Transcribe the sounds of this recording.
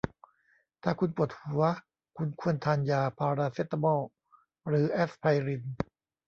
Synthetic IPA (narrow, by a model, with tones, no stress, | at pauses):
t̪ʰaː˧˩kʰu˧npu˨˩t̪̚hu˩˦ɐ | kʰu˧nkʰu˥˩ənt̪ʰaː˧njaː˧pʰaː˧ɾaː˧seː˦˥t̪ːa˧mɔː˥˩ | ɾɯː˩˦ʔe˦˥spʰa˧jɾi˧n